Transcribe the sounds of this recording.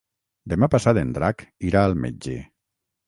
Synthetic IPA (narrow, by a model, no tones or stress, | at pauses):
d̪emapasat̪end̪ɾakiɾaəlˠmḛd͡ʒḛ